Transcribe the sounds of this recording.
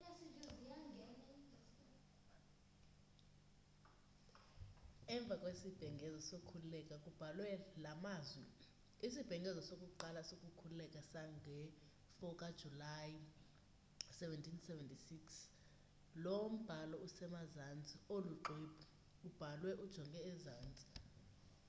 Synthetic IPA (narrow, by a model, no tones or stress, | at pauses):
ɛɱb̪vʱakʼwesib̥ʱɛŋɡʱɛzɔsokʰullɛkʼakʼub̥ʱalwɛlamaːzwɛ | isib̥ʱɛŋɡʱɛzɔsokʼuǃalasokʼukʰullɛkʼasaŋɡʱɛ | fɔkʼad̥ʒ̥ʱulaj | sɛvɛntʰʼinsɛvɛntʼisiks | lowom̩b̥ʱalɔusɛmazand͡zʱʼioluǃebʰʱu | ub̥ʱalwɛʔud̥ʒ̥ʱɔŋɡʱɛɛzaːnd͡zʱʼi̥